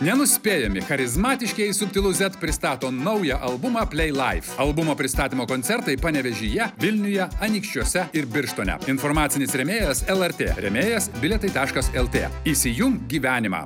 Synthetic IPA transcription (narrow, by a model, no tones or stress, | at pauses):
nʲɛnʊsʲpʲeːjɛmʲɪxɐɾʲɪzmɑːt̪ʲɪʃʲkʲɛɪsʊpʲt̪ʲɪlˠʊzʲɛt̪pʲɾʲɪst̪ɑːt̪oːnɐʊjɛʔɐlˠbʊmɑːpʲlʲɛɪlˠɐɪfɐlˠbʊmopʲɾʲɪst̪ɑːt̪ʲimoːkonʲsʲɛɾt̪ɐɪpɑːnʲɛʋʲɛʒʲɪjɛʋʲɪlʲnʲʊjɛɐnʲiːkʃʲt͡ʃʲuɔsʲɛɪɾbʲɪɾʃt̪oːnʲɛ̰ɪnfoɾmɑːt̪sʲɪnʲɪsɾʲɛmʲeːjɛsɛlˠɛɾt̪ʲḛːɾʲɛ̰mʲeːjɛsbʲɪlʲɛt̪ɐɪt̪ɑːʃkɐsɛlˠt̪ʲḛːisʲɪjʊŋkɡʲiːʋʲæːnʲɪmɑ̰ː